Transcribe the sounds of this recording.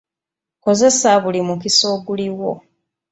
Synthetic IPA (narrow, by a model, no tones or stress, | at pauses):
ko̞ze̞saβulimukiso̞ɡuliwo̞